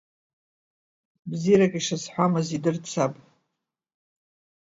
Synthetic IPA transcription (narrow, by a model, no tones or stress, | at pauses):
bzirakʼiʂasħʷamɨzidɨrt͡sʰapʼ